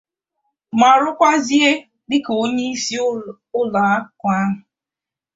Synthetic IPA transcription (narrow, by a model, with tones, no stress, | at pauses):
ma˨ɾʊ˦kʷa˦zi˦e˦ | dɪ˦ko˦ɲe˦i˦si˦ | ʊ˦la˨a˦kʷa˦ɦʊ˨